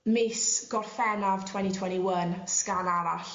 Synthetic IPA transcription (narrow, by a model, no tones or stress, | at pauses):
mɪsɡ̥ɔrfɛnav̥tʰwɛnitʰwɛniwənskanaɾaɬ